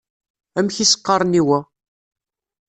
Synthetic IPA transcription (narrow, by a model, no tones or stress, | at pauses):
æmçisə̥qːɑɾˤniwæ